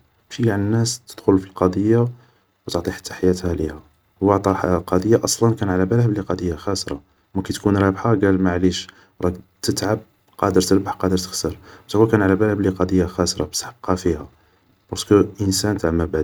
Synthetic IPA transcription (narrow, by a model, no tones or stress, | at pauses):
bʃiaʕnnːæst̪ə̥d̪̥xʊlfilqɑd̪ˤəjːa | wt̪əʕt̪ˤiħḁt̪ːḁħajæt̪hælihæ | wəʕt̪ˤɑħqɑd̪ˤəjːaʔɑsˤlɑnkænʕalæbælhəbliqɑd̪ˤəjːaxæsɾˤɑ̰ | mækæt̪kunɾˤɑbħaɡælmaʕliʃ | ɾˤɑt̪ət̪ʕab̚ | qɑd̪əɾt̪əlbaħqɑd̪əɾt̪əxsəɾbt̪wækænʕalæbælhəbliqɑd̪ˤəjːaxæsɾˤɑbsħəb̚qɑfihæ | b̥ɑɾˤskəʔənsænt̪aʕmæbad̪